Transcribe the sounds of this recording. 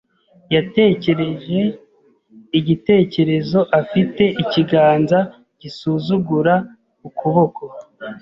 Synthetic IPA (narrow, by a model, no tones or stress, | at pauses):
jate̞ce̞ɾe̞ʒe̞ | iɟite̞ːce̞ɾe̞zo̞ʔafite̞ʔiciɡaːnza | ɟ̥isuzuɡuɾa | ukuβo̞ko̞